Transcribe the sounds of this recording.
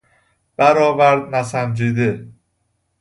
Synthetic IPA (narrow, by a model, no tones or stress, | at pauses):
b̥æɾɒːvæɾd̪̚næsæmd͡ʒiːd̪e